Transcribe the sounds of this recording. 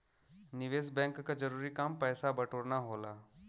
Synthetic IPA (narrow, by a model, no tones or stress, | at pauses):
nɪʋeːsbɛ̃ːŋkːad͡ʒɐɾuːɾikaːmpɛːsabɐʈʰoːɾnaɦoːlaː